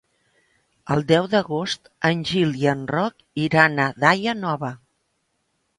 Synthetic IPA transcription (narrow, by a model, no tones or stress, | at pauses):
əlˠd̪ɛwd̪əɣost̪ənʲʒiliənrɔk | iɾanəðajənɔβə